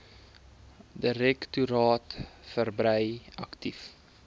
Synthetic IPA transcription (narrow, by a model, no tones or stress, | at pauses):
dəɾɛktuɾɑːtfərbrəjɐ̰ktif